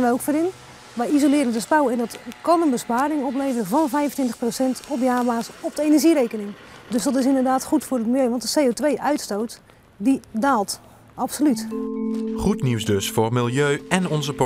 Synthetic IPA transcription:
ʋɛjowkfəːɾɪn | ʋɛjizolɪːɾəndəspawɛndɑtkɑnənbəspaːɾɪŋɔp̬lejvərəvɑnvɛjvəntʋɪntəχprosɛntɔpjaːbaːsɔp̚dəejnəɹʒiɾejkənɪŋdɵsdɑtɪs̬ɪndərdaːtχutfʊːɾət̚mɪlˠjøɥʋɑntdəsejotʋejʔœɥtstowt | didaːlˠt | ɑpsolyt | χutniwzdɵsfʊːrmɪlˠjøːɛnɔnzəp

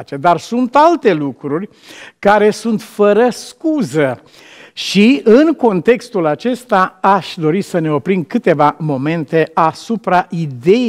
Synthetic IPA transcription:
t͡ʃed̪arsunt̪alt̪e̞lukɾurʲ | kaɾe̞sunt̪fəɾəskuzə | ʃiɨŋko̞nt̪e̞kst̪ulat͡ʃe̞st̪aaʃʲd̪o̞ɾisəne̞o̞pɾinkɨt̪e̞vamo̞me̞nt̪e̞ʔasupɾaʔid̪e̞

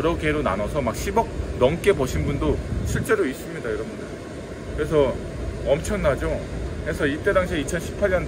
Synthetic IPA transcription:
ʌɾʌɡeɾona̰nʌsʰʌmak̚ɕʰibʌk̚nʌŋk͈e̞boɕʰinbundoɕʰiɭt͡ɕ͈e̞ɾois͈ɯmɲidaiɾʌmida | kɯɾe̞s̬ʰʌ | ʌmt͡ɕʰʌŋnad͡ʑokesʰʌit͈e̞daŋɕʰiit͡ɕʰʌnɕʰi̥pʰaʎɲʌn

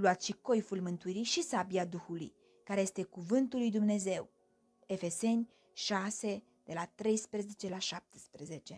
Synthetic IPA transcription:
luat̪ʃiko̞jfulmɨnt̪uiɾiʃisabiad̪uxulṵj | kaɾeje̞st̪e̞kuvɨnt̪ulːujd̪umne̞ze̞w | e̞fe̞se̞nʲ | ʃase̞ | d̪̥e̞lat̪ɾe̞jspɾeze̞t͡ʃe̞laʃap̚t̪e̥spɾeze̞t͡ʃe̞

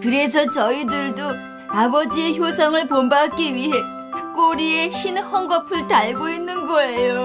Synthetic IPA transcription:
kɯɾe̞s̬ʰʌt͡ɕʌidɯɭdo | abʌd͡ʑieçjosʰʌŋɯɭpombak̚k͈iɥiɦe̞ | k͈oɾieçinhʌŋɡʌpʰɯɭtaɭɡoinːɯnɡʌe̞jo

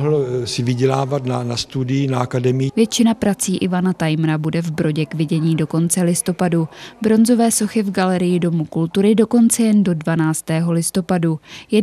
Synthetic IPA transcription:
ɦl̩sɪvɪɟɛlaːvat̪nanast̪udɪjɪnaakadɛmɪvjɛt͡ʃɪnapɾat͡siːʔɪvanat̪ajmɾabudɛvbɾo̞ɟɛkvɪɟɛɲiːdo̞ko̞nt͡sɛlɪst̪o̞padubɾo̞nzo̞vɛːso̞xɪvɡalɛɾɪjɪdo̞mukult̪uɾɪdo̞ko̞nt͡sɛjɛndo̞dvanaːt͡st̪ɛːɦo̞lɪst̪o̞padujɛ

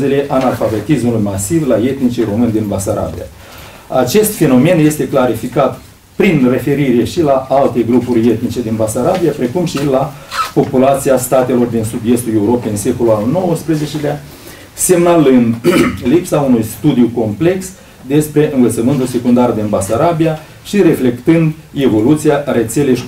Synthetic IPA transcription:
zele̞ʔanalfave̞t̪ismulujmasivlaje̞t̪nit͡ʃeɾo̞mɨned̪inbasaɾa̰bḭa̰ | at͡ʃe̞st̪fe̞no̞me̞nje̞st̪e̞klaɾifikat̪ | pɾinre̞fe̞ɾiɾe̞ʃilaalt̪e̞ɡɾupurʲe̞t̪̚nit͡ʃe̞d̪inbasaɾabijapɾe̞kumʃilapo̞pulat̪siast̪at̪e̞lo̞rd̪insud̪je̞st̪ule̞uɾo̞peɨnse̞kolualno̞wəspɾe̞ze̞t͡ʃelea | se̞mnalɨnd̪lipsaunujst̪ud̪iuko̞mple̞ks | d̪e̞spɾe̞ʔɨnvət̪səmɨnt̪ulse̞kund̪ard̪inbasaɾabija | ʃiɾe̞fle̞kt̪ɨnd̪e̞vo̞lut̪sijare̞t̪se̞le̞jʃ

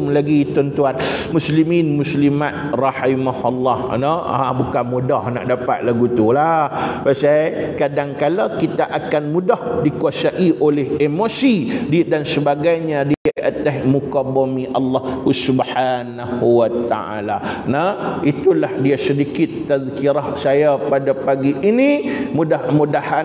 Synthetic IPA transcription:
mlaɡit̪ɔnt̪uanmusliminmuslimat̪̚rɑħimahɑlːɑhnaabukanmudahna̰ʔdapa̰t̪̚laɡut̪ulahpasakadaŋkaləkit̪aʔakanmũdɔhdikuasaʔiʔolehemosididansəbaɡajɲadiʔat̪asmukabɔmiʔalːɑhhusubħanahuwat̪a̰ʔa̰lanait̪ulahdiasədikɪt̪ːaðkiɾahsajapadapaɡiʔːnimudahmudaha

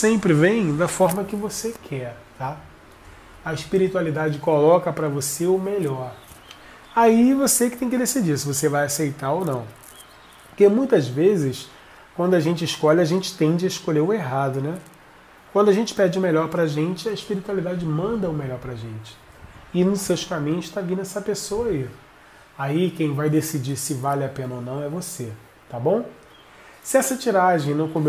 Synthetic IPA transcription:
sẽmpɾɪvẽj̃d̪ɐfɔɾmɐkɪvosekʰɛɾ | t̪a | ɐɪʃpiɾit̪ualid̪ad͡ʒɪkolɔkɐpɾɐvoseʊmeʎɔɾ | aivosekɪt̪ẽj̃kɪd̪esid͡ʒiɾsɪvosevajasejt̪aɾownɐ̰̃w̃ | poɾkemũj̃t̪ɐzvezɪs | kwɐ̃d̪ʊɐʒẽnt͡ʃɪɪʃkɔʎɪaʒẽnt͡ʃɪ̥t̪ẽnd͡ʒɪɐɪʃkoʎeɾʊeɦad̪ʊnɛ | kwɐ̃nd̪ʊaʒẽnt͡ʃɪ̥pɛɾd͡ʒɪʊmeʎɔɾpɾaʒẽnt͡ʃɪɐɪʃpiɾit̪ualid̪ad͡ʒɪmɐ̃nd̪ɐʊmeʎɔɾpɾɐʒẽt͡ʃɪ̥ | ɪnʊʃsewskamĩɲʊʃt̪avĩnd̪ʊɛsɐpesowɐai | aikẽj̃vajd̪esid͡ʒiɾsɪvalɪapẽnɐonɐ̃w̃ɛvose | t̪abõw̃ | sɪɛsɐt͡ʃiɾaʒẽj̃nɐ̃w̃kõmb

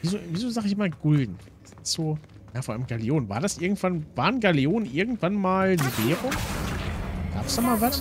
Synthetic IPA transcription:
viːzoːviːzoːzaːχɪçɪmaːɡ̥ʊldn̩ | asɪz̥oː | jaːfɔːa̰ləmɡ̥aleoːnvaːɐdasʔɪɐɡŋ̩tv̥anv̥aːɐnɡaleoːnʔɪɐɡŋ̩tv̥anmaːlnəveːʁʊ | ɡ̥a̰ːpsd̥aːmaːlvas

